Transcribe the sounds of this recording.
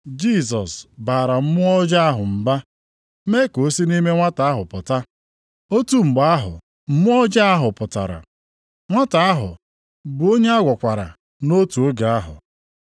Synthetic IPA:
d͡ʒi˦˨s̬ɔ˨sbaː˨ɾa˨m̩˦mʊ˦ɔ˦d͡ʒa˦a˦ɦʊ˨m̩˨ba˦ | me˦ko˦si˦ni˦me˦ŋʷa˦ta˨a˦ɦʊ˨pʊ˨ta˦ | o˦tu˦ŋ͡m̩˨ɡ͡ba˦a˦ɦʊ̰˨ | m̩˦mʊ˦ɔ˦d͡ʒa˦a˦ɦʊ˨pʊ˨ta̰˨ɾa̰˨ | ŋʷa˦ta˨a˦ɦʊ̰˨ | bʊ˨o˦ɲe˦a˦ɡʷɔ˨kʷa˨ɾa̰˨ | no˦tu˨o˦ɡa˨a˦ɦʊ̰˨

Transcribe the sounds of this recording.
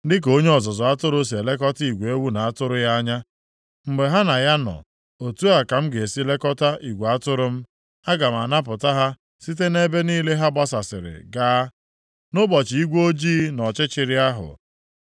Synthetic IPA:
dɪ˦k̬o˦ɲe˦ɔ˨zɔ˨zɔ˨a˦tʊ˦ɾʊ˦s̬i˨e˨le˦kɔ˦ti˨ɡʷe˨e˦wu˦na˨a˦tʊ˦ɾʊ˦ja˦ɲa˦ | mŋ͡m̩˨ɡ͡be˨ɦa˦na˨ja˦nɔ̰˨ | o˨tu˦a˨ka˨m̩˦ɡe˨e˨si˦le˦kɔ˦ta˦ʔi˨ɡʷe˨a˦tʊ˦ɾʊ˦m̩˦ | a˦ɡa˨m̩˨a˨na˦p̬ʊ˨ta˦ɦa˦ | si˦t̬e˦ne˦be˦niː˦le˦ɦa˦ba˦sa˨sɪ̰˨ɾɪ̰˨ɡaː˦ | nʊ˦bɔ˨t͡ʃi˨i˦ɡʷo˦d͡ʒiː˦nɔ˨t͡ʃɪ˦t͡ʃɪ˨ɾɪ˦a˦ɦʊ̰˨

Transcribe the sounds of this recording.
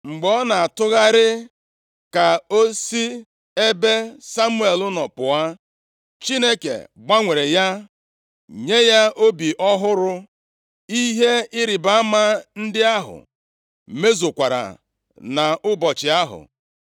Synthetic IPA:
ŋ͡m̩˨ɡ͡bɔ˦na˨a˨tʊ˦ɣa˦ɾɪ˦ | ka˨o˦si˦ | e˦be˦sa˦mu˦e˨lʊ˦nɔ˨pʊ˨a˦ | t͡ʃi˦ne˦kḛ˨ɡ͡ba˦ŋʷe˨ɾe˨ja˦ | ɲe˦ja˦ʔo˦bi˨ʔɔ˦ɦʊ˦ɾʊ˦ | i˦ɦe˦ɪ˦ɾɪ˨ba˦a˦ma˦n̩˦dɪ˦a˦ɦʊ̰˨ | me˦zo˨kʷa˨ɾa̰˨ | na˨ʔʊ˦bɔ˨t͡ʃɪ˨a˦ɦʊ̰˨

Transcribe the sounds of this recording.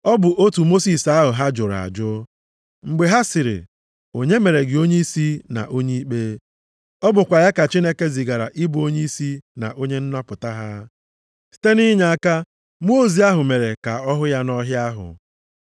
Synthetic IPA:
ɔ˦bʊ˨ʔo˦tu˨mo˦si˦˨sa˦ɦʊ˨ɦa˦d͡ʒʊ˨ɾa̰˨d͡ʒʊ˦ | ŋ͡m̩˨ɡ͡be˨ɦa˦sɪ˨ɾɪ̰˨ | o˨ɲe˦me˨ɾe˨ɡɪ˨o˦ɲe˦i˦si˦na̰˨ʔo˦ɲe˦i˦k͡pe˦ | ɔ˦bʊ˨kʷa˨ja˦ka˨t͡ʃi˦ne˦ke˦zi˨ɡa˨ɾa̰˨ʔɪ˦bo˦ɲe˦i˦si˦na̰˨ʔo˦ɲe˦n̩˦nɔ˦pʊ˨ta˦ɦa˦ | si̥˨te˦ni˦ɲa˨a˦ka˦ | mu˦o˦zi˨a˦ɦʊ˨me˨ɾe˨ka˨ɔ˦ɦʊ˦ja˦nɔ˦ɦja˦ɦʊ̰˨

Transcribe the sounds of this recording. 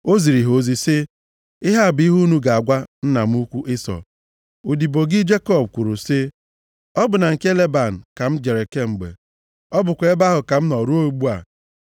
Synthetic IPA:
o˦zi˨ɾi˨ɦo˨zi˦sɪ˦ | ɪ˦ɦa˦˨bi˦ɦu˦nu˦ɡa˨a˨ɡʷa˦n̩˦na˨m̩˦u˦kʷu˦ʔɪ˦sɔ̰˨ | u˨di˨bo˨ɡɪ˦d͡ʒe˦kɔ˦˨b̚kʷu˨ɾu˨sɪ˦ | ɔ˦bʊ˨na˨ŋ̩˨ke˦le˦ba˨n̩˨ka˨m̩˦d͡ʒe˨ɾe˨ke˦ŋ͡m̩˨ɡ͡bḛ˨ | ɔ˦bʊ˨kʷe˦ba˦ɦʊ˨ka˨m̩˦nɔ˨ɾu˦o˦ɡ͡bu˦a̰˨

